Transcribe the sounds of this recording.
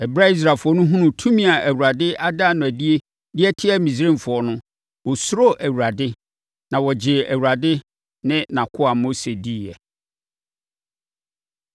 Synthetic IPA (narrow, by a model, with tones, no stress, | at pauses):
ɛ˨bɾa˦i˦s̬ɾa˨fʊ˨ɔ˦nʊ̃˦ɦũ˦nʊ̃˨tʰũ˦mĩ˦a˨æ˨wɾa˨dɪ˦ʔa˦da˦˨nʊ̃˨æ˨di˦e˦ | dɪ˦ɛ˦tʰɪ˦ɛ˦mĩ˨s̬ɾẽ˦˨m˨fʊ˨ɔ˨nʊ̃˦ | wɔ˨sʊ˦ɾo˦ʔæ˨wu˨ɾa˨dɪ˦ | nã˨wɔ˨d͡ʑɪ˨æ˨wu˨ɾa˨dɪ˦ | nɪ̃˦nã˨kʰʊ˦a˨mo˦se˨di˦˨ɛ˨